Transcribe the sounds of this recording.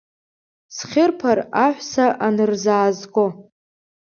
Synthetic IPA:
sχʲɪrpʰaraħʷsaʔanɨrzaːzɡʼo

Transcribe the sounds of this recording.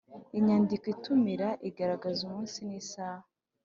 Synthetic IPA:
iɲaːndikitumiɾaʔiɡaɾaɡazumuːnsiniːsaːha

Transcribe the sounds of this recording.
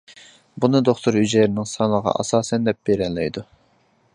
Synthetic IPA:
bunɨd̪oχt̪ʰuɾhyd͡ʒɛɾɪnɪŋsɑnəʁɑ̰ʔɑ̰sɑːsɛnd̪ɛp̚b̥eɾɛnlːɛjd̪u

